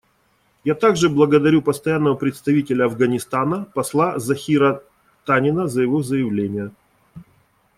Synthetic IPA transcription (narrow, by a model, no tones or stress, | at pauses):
jat̪aɡʐɨblˠəɡəd̪ɐɾʲupəst̪ɐjanːəvəpɾʲɪt̪st̪ɐvʲitʲɪlʲəɐvɡənʲɪst̪anəpɐslˠazɐxʲiɾə | t̪anʲɪnəzəjɪvozəjɪvlʲenʲɪjə